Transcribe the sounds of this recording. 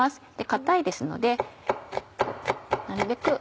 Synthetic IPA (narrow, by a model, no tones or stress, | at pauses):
asɨ̥d̪̥e̞kat̪aid̪e̞sɨno̞̰d̪e̞ | ko̰ːnaɾɯ̟be̞kɯ̟